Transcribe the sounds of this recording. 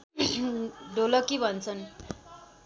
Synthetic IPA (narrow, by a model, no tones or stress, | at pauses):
ɖolʌkibʱʌnt͡sʰʌn